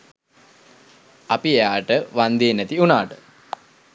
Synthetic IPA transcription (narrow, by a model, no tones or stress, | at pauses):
apiejaːʈəʋand̪eːnæt̪iunaːʈə̥